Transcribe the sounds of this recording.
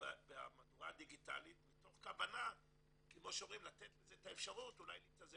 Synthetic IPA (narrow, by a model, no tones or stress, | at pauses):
bea̰madua̰diɡita̰lit̪mito̞χkavana | kemo̞ʃeoʁimlat̪et̪lezet̪aefʃaʁutula̰jlit͡saze